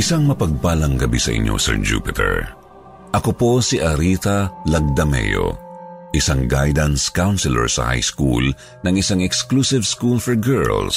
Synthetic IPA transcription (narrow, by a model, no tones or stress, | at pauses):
ʔɪsaŋmɐpɐɡ̚paːlɐŋɡɐbisɐʔɪ̰ɲːʔo̰sɛ̰ɹd͡ʒṵːpɪt̪ʰɛ̰ɹ | ʔɐkopo̞siʔɐɾit̪ɐlɐɡ̚d̪ɐmɛ̰jo̰ʔɪsaŋɡajd̪ɐnskawnsɪlɛ̰ɹsɐ̰ha̰jskṵl | nɐŋɪsaŋɛksklusɪvskulfɛɹɡɛɹls